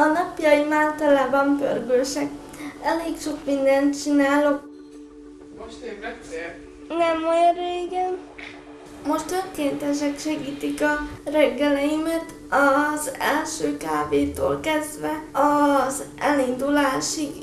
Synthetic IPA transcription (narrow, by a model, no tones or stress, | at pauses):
ɒnɒpjɒjimaːlt̪ɒlaːbɒmpø̰lɡøʃɛk | ɛleːkʃo̞kmind̪ɛnt̪t͡ʃinaːlok | nɛmojoɾeːɡɛn | mo̞ʃt̪øŋkeːnt̪ɛʃ̬ɛkʃɛɡiːt̪ikɒrɛɡːɛlɛjimɛt̪ | ɒzɛlʃøːkaːveːt̪o̰ːlkɛzd̪vɛɒzʔɛlind̪ulaːʃi